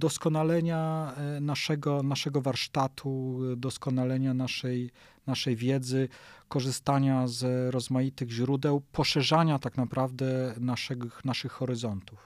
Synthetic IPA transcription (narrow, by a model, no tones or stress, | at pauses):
d̪ɔskɔnalɛɲanaʂɛɡɔnaʂɛɡɔvaɾʂt̪at̪ʰud̪ɔskɔnalɛɲanaʂɛj | naʂɛjvʲjɛd̪zɘkɔʐɘst̪aɲazɾɔzmajit̪ɘɣʑɾud̪ɛwpɔʂɛʐaɲat̪aknapɾavd̪ɛnaʂɛɡnaʂɘxːɔɾɘzɔnt̪uf